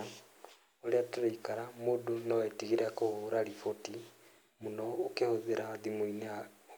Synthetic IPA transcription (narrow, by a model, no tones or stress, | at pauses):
oleataɾeikaɾamodonawaitiɣiɾeakohuɾaɾifoti | munɔːkehoðeɾaðimoinea